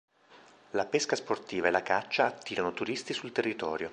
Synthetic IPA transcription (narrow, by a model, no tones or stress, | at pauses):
lapeskasport̪iːvaelakat͡ʃːaːt̪ːiːɾanot̪uɾist̪isult̪erːit̪ɔːɾjo